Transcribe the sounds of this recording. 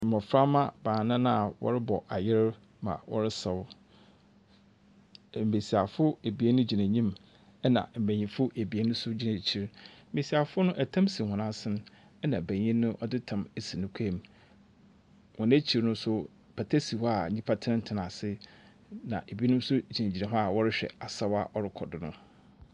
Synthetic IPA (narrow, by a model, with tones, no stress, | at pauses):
m̩˨m˨ʊ̃˨fɾa˦mã˦bãː˨nã˦nã˦a˨wɔ̰˦ɾɪ˦bɔ˨ʔa˨jɪ˦ɾ | mã̰˨wʔɔ̰˦ɾɪ˦sɛ˨w | m̩˨be˨si˨a˨fʊ˦e˨bi˨e˦nʊ̃˦d͡ʑi˨næ̃˨ɲĩ˦m | ɛ˦nã̰˨m̩˨bæ̃˨ɲĩ˨fʊ˦ʔe˨bi˨e˦nʊ̃˦sʊ˦d͡ʑi˦næ̃˨t͡ɕʰi˨ɾm̩˦be˨si˨a˨fʊ˦nʊ̃˦ʔæ˨tʰã˦msi˨hɔ̃˨nã˦sɪ̃˦ñ˦ | ɛ˦nã˨bæ̃˨ɲĩ˦nʊ̃˦ʔɔ˦dɪ˦tʰã˨me˦si˨nʊ̃˦kʷʰa˦˨m | wɔ̃˨næ˦t͡ɕʰi˨ɾnʊ̃˦sʊ˦ | pʰa˨tʰa˦si˨wa˨ɲĩ˦pʰa˦tʰɪ˦ɪ̃˦n̩˦tʰɪ˨nã˨sɪ˦ | nã̰˨ʔe˨bi˨˦e˦nʊ̃˦m˦sʊ˦d͡ʑi˨næ̃˨d͡ʑi˨nã˨ɦʊ̃˦a˨wɔ˦ɾɪ˦ɕᶣɛ̰˨a˨sa˦wa̰˦ʔɔ˦ɾɪ˦kʰɔ˨dɪ˨nʊ̃˦